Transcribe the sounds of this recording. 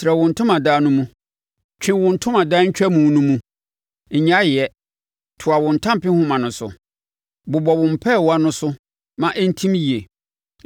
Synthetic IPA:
sɪɾɛ˨wʊ̃˨n̩˨tʰʊ̃˦mã˨daː˦nʊ̃˦mũ˦ | t͡ɕᶣʰɪ̃˦wʊ̃˨n̩˨tʰʊ̃˦mã˨daː˦ɲ̩˦t͡ɕᶣɛ˦mũ˨˦nũ˦mũ˦˨ | ɲã˦jɪ˨ɛ˦ | tʰʊ˨a˨wʊ̃˨n̩˨tʰã˦m˨pɪ̃˦hʊ̃˦mã˨nʊ̃˨sʊ̰˨ | bʊ˨bɔ˨wʊ̃˨m̩˨pʰɛ˦˨wa˦nʊ̃˦sʊ˦ | mã˨ʔɛ˦n̩˦tʰĩ˦m˦ji˨e˨

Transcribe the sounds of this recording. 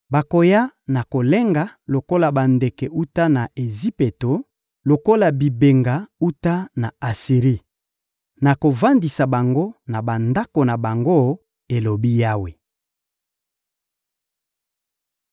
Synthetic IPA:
ba˨ko˨ja˦na˨ko˨le˦ŋɡa˦lo˨ko˦la˨ba˨nde˨kɛ˨u˦ta˦na˨ʔe˨zi˦pe˨to˨ | lo˨ko˦la˨bi˨be˨ŋɡa˨u˦ta˦na˨a˨si˨ʁi˦ | na˨ko˨va˦ndi˨sa˨ba˨ŋɡo˦na˨ba˨nda˦ko˨na˨ba˨ŋɡo˦ | e˨lo˨bi˦ja˦we˨

